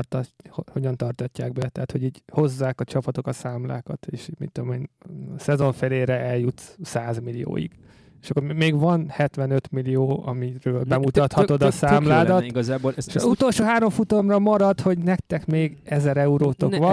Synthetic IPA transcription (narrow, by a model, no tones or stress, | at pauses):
rt̪ɒhho̞ɟɒnt̪ɒrt̪ɒcːaːɡ̚bɛt̪ɛat̪ho̞ɟiːɟho̞zːaːkɒt͡ʃɒpɒt̪o̞kɒsaːmla̰ːkɒt̪eːʃmḭt̪t̪ːd̪omeːnsɛzo̞ɱfeleːɾɛɛljut̪saːzmilijo̰ːjḭɡ̥ | eʃɒkːormeːɡvɒnhɛt̪ʋɛnøt̪milijoːɒ̰miɾøːlbɛmut̪ɒt̪hɒo̞d̪ɒsaːmlaːd̪ɒt̪ɡzaːboeʃɒzut̪o̞lʃoːɦaːɾo̞ɱfut̪o̞mrɒmɒɾɒt̪ho̞ɟnɛkt̪ɛkmeːɡɛzɛɾɛuɾoːt̪okʋɒ